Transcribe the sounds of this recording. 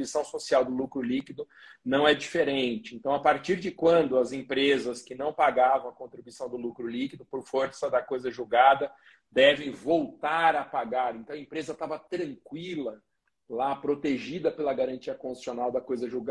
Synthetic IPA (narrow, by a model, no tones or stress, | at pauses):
uisɐ̃w̃sosiawd̪ʊlukɾʊlikid̪ʊ | nɐ̃w̃ɛd͡ʒifeɾẽnt͡ʃɪẽnt̪ɐ̃w̃apaɾt͡ʃiɾd͡ʒɪkwɐ̃nd̪ʊɐzẽpɾezɐskɪnɐ̃w̃paɡavɐ̃w̃ɐkõnt̪ɾibuisɐ̃w̃d̪ʊlukɾʊlikid̪ʊpoɾfoɾsɐd̪ɐkojzɐʒuɡad̪ɐ | d̪ɛvẽj̃vowt̪aɾɐpaɡaɾẽnt̪ɐ̃w̃ɐẽmpɾezɐt̪avɐt̪ɾɐ̃ŋkwilɐ | lapɾot̪eʒid̪ɐpelɐɡaɾɐ̃nt͡ʃiɐkõi̥sionawd̪ɐkojzɐʒuɡ